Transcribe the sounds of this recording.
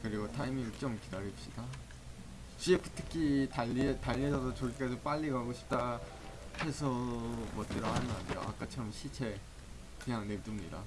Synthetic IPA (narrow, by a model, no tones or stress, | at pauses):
kɯɾiɡotʰaimiŋit͡ɕ͈ʌmkidaɾip̚ɕ͈ida | t͡ɕiekʰɯ̥tʰɯ̥kʰitaʎːitaʎːiesʰʌdot͡ɕoik͈esʰop͈aʎːiɡaaɡoɕʰi̥p̚t͈a | he̞sʰʌmʌt̚t͈eɾoɦanɯna̰ɲiɾo̰ʔa̰k͈at͡ɕʰʌɾʌmɕʰit͡ɕʰe̞ | kɯɲaŋnet͈umɲida̰